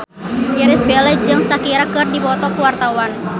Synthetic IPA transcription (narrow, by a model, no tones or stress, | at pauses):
jiɾɪsbelɛd͡ʒɨŋsakiɾakɨrdipɔt̪ɔkəwart̪awan